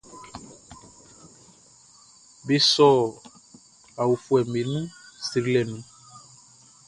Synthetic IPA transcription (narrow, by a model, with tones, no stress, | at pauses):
be˨sɔ˦˨ | a˨wu˨fu˨˦ɛ˨mẽ˨nũ˦si˨ɾi˦lɛ˨nũ˨